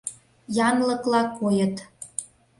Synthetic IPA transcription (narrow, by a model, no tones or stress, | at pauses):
jɑnlɤ̆klɑkojə̆t̪